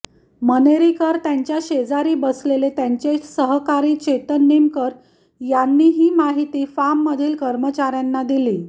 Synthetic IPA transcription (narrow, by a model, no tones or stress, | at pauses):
məneɾikəɾt̪jaɲt͡ɕjaɕed͡zaɾiːbəslelet̪jaɲt͡ɕesəɦkaɾiːt͡ɕet̪ənːimkəɾ | janːiːɦiːmaɦit̪iːfamːəd̪ʱiːlkəɾmət͡ɕaɾjanːad̪iliː